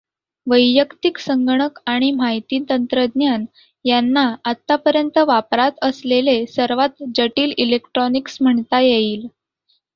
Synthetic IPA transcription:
ʋəjjəkt̪iksəŋɡɳ̃əkaɽ̃imajt̪iːt̪ənt̪ɾəd̪njan | janːaat̪ːapəɾjənt̪əʋapɾat̪əslelesəɾʋat̪d͡ʑəʈiːlilekʈɾɔniksm̤əɳt̪ajeiːl

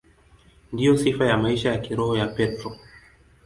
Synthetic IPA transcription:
ndijɔsifajamaiʃajakiɾɔhɔjapɛtɾɔ

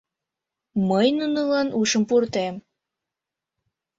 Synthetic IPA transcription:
məjnunəlɑnʔuʃəmpurt̪em

